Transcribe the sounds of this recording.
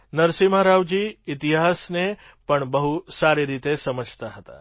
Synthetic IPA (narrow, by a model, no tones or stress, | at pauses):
nɐɾsimaɾaʋd͡ʒiːɪt̪iɦasne | pəɳbəɦusaːɾeɾit̪esɐməd͡ʒʱt̪aɦət̪a̰